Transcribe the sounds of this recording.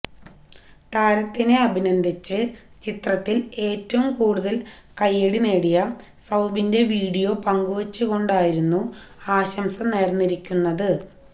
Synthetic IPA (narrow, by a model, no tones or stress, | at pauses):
t̪aːɾɐt̪ːine̞ɐbʱinɐnd̪ʱit͡ɕːɨt͡ɕit̪rɐt̪ːile̞ːtːɐʋumkuːɽuðɐl | kɐjːeɽineːɽijɐ | sɐwbinde̞ʋiːɽijo̞ːpɐŋɡuʋɐt͡ɕːɨɣo̞ɳɖaːjiɾunːu | aːɕɐmsɐmneːrnːiɾikʲːunːɐðɨ